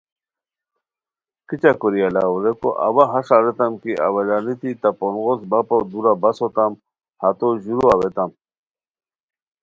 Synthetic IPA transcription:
kit͡ɕakoɾialaoɾeko̰ʔa̰waɦaʂaɾet̪ɐmkiʔa̰walanit̪it̪aponɣosbapod̪uɾabɐsot̪am | hat̪oʑuɾuawet̪am

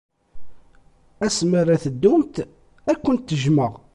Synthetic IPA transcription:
æsməɾæθəd̪ːʊmt̪ | ækʷːənt̪ːəʒməʁ

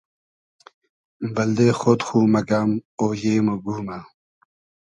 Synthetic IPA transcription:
bɐld̪eːxot̪xuːmɐkaːmoːjeːmoɡuːmaː

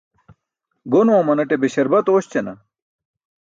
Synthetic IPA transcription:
ɡonoɐ̃mɐnɐʈebeɕɐɾbɐt̪oːɕt͡ɕenɐ̰

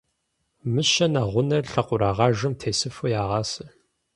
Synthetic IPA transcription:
mɨʃɐnaʁʷʊnɐrɬɐqʷʊɾaːʁɑːʒɨmtʰeːsɨfujaːʁɑːsɨ

